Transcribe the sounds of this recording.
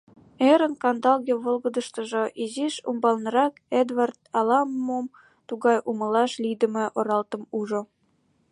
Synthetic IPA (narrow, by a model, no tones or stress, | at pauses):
eɾə̆nkɑnd̪ɑlɣʲeβolˠɣə̆d̪ə̆ʃt̪ə̆ʒŏʔiziʃṵmbɑlnɤ̆ɾɑked̪vɑrt̪̚ɑlɑmːom | t̪uɣɑjʔuməlɑʃlid̪ə̆mĕʔoɾɑlt̪ə̆muʒo